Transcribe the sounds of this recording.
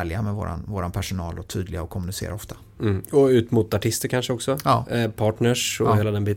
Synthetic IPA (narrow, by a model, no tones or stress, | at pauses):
ljamɛvo̰ːɾa̰nvoːɾanpʰæʂʊnɑːlɔt̪ʰy̰ːd̪lɪɡaɔkʰːɔmɵnɪsḛːɾaɔft̪ʰa | m̩ːɔʉ̟ːt̪muːt̪aʈʰɪst̪əɾkʰanʂəɔksɔːpʰɑːʈɳəʂɔheːlad̪ɛnbiː